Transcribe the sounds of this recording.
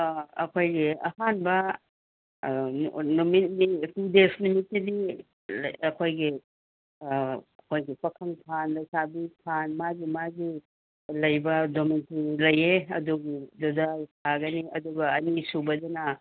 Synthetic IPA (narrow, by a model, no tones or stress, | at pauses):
ɐ̰kʰojɡiɐ̰hanbɐ | numit̚nipudesnumitːidi | ɐkʰojɡi | ɐkʰojɡipɐkʰɐŋkʰanlɐjsabikʰanmaɡimaɡi | lɐjbɐdomintiɾilɐjeɐ̰duɡidodakʰaɡɐniʔɐ̰duɡɐɐnisubɐdɐnɐ